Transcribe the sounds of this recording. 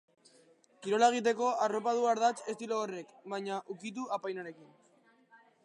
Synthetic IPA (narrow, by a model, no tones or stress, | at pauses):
kiɾo̞laeɣ̞it̪̬e̞ko̞aro̞pað̞uaɾðat͡se̞st̪iloːre̞kβajɲaʔukit̪̬uapajnaɾe̞kin